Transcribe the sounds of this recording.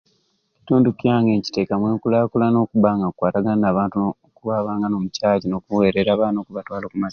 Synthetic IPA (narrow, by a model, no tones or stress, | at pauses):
ci̥tuːndukjaːŋɡe̞ːɲci̥te̞ːkamwe̞ːŋkulakulano̞ːkuβaːŋɡakwaːtaɡanaːβaːntu | kuβaβaːŋɡanoːmucaːɟino̞kuwe̞ːɾeɾaːβaːno̞ːkuβatwaːlo̞ːkumas